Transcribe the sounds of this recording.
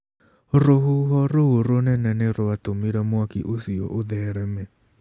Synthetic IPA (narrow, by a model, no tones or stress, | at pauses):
ɾoɦuɦɔɾooɾonɛnɛneɾoatomiɾɛmwakḭʔosiɔ̰ʔoðɛɾɛmɛ